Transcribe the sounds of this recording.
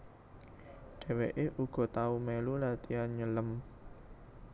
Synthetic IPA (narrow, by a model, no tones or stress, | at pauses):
ɖ̥ɛ̤weʔeʔuɡ̥ɔ̤t̪aumelulat̪ianɲələm